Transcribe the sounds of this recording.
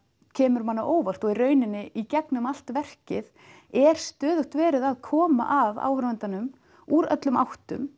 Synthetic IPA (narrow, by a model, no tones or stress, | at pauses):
cʰɛːmʏɾmanːaʔoːwvar̥t̪ɔɣirœːɥnɪnːɪʔicɛknʏmal̥t̪vɛr̥cɪð | ɛɾ̥st̪œːðʏht̪vɛːɾɪðaðkʰɔːma̰ʔava̰ːwhɾvɛnt̪anʏm | uɾœ̰t̪lʏmawht̪ʏm